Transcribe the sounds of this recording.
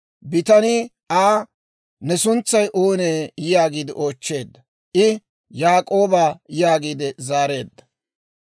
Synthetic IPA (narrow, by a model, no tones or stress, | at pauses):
bɪt̪ɐnɪ | aː | nɛsʊnt͡sːɐjʔoːneːɪjaːɡiːd̪ɪʔo̞ːt͡ʃːe̞ːd̪ːɐ | ʔɪ | jaːkʼo̞ːbaːɪjaːɡiːd̪ɪzaːɾe̞ːd̪ːɐ̥